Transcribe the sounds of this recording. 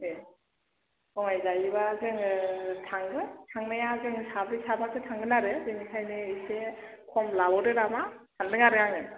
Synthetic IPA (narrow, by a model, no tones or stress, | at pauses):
e | kɔŋajzajiβazɯŋɯtʰaŋɡɯtʰaŋnajazɯŋsabɾisamasʰɯtʰaŋɡɯnaɾɯzɯŋikʰajnɯisekʰɔmlabɔɾɯɾamatʰandɯŋaɾɯjaŋɯ